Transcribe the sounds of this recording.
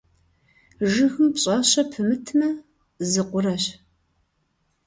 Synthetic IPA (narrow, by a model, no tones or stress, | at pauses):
ʒɨxɨmpɕʼɐɕɐpʰɨmɨtʰmɐ | zɨqʷʊɾɐɕ